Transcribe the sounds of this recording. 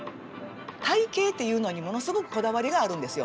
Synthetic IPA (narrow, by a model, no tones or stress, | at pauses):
t̪aike̞ːt̪ːe̞jɯ̟ːno̞ɲ̟imo̞no̞sɨɡo̞kɯ̟̥ko̞d̪aβaɾʲiɡaːɾɯ̟̃nd̪e̞sɨjo̞